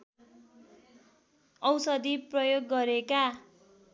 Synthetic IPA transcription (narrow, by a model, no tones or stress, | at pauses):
ʌwsʌd̪iprʌjoɡːʌɾeka